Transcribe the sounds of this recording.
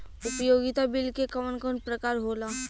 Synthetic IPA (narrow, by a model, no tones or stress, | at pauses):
ʊpəjoːɡɪt̪abɪlkekəmənkɔːnpɾɐkaːɾɦoːlaː